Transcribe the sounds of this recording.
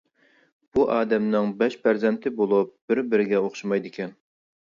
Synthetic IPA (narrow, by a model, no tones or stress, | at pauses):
b̥uʔɑːd̪ɛmnɪŋbɛʃpʰæɾzɛnt̪ʰɪbolˠup̚b̥ɪɾbɪɾɪɡʲɛoχʃumɑjd̪ɪkʲʰɛn